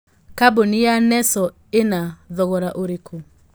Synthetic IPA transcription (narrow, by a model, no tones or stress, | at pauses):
kabonijanɛsɔ | enaðɔɣɔɾaʔoɾekʰo